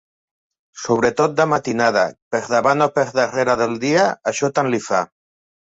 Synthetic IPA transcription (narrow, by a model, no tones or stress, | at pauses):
soβ̞ɾet̪ot̪̚d̪amat̪inað̞a̰peɾðaβanopeɾðereɾaðeld̪iaaʃɔt̪anlifa